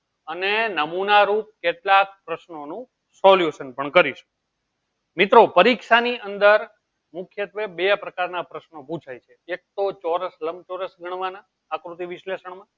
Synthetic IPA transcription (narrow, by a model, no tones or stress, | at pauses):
ənenəmunaɾup̚keʈlak̚pɾəʃnonũ | sɔljuʃənpəɳkəɾiʃu̥ | mit̪ɾopəɾikʃaniʔənd̪əɾ | mukʰjət̪ʋebeapɾəkaɾnapɾəʃnopũt͡ʃʰajt͡ʃʰeek̚t̪ot͡ʃɔɾəsləmt͡ʃɔɾəsɡʱəɳ̃ʋanaː | kɾut̪iʋiʃleʃəɳ̃mã